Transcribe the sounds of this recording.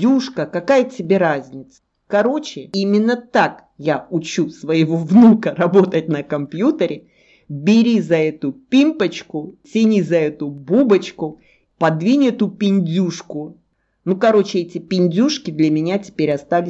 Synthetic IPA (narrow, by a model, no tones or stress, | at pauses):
uʂkəkɐkajətʲɪbʲeɾazʲnʲɪt̪sə̥ | kɐɾo̞t͡ɕɪimʲɪnːət̪ak | jaʊt͡ɕusvəɪvovnukərɐbo̞t̪ətʲnəkɐmpjut̪əɾʲɪ | bʲɪɾʲizɐɛt̪ʊpʲimpət͡ɕkʊsʲɪnʲizɐɛt̪ʊbubət͡ɕkʊ | pɐd̪vʲinʲɛt̪ʊpʲɪnʲdʲuʂkʊ | nukɐɾo̞t͡ɕɪɛtʲɪpʲɪnʲdʲuʂkʲɪd̪lʲɐmʲɪnʲatʲɪ̥pʲeɾʲɐst̪alʲɪ